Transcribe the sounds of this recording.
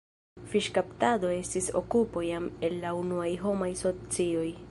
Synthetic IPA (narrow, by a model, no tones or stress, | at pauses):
fiʃkaptado̞e̞stiso̞̰kupo̞jame̞lːaunuajɦo̞majso̞t͡sio̞j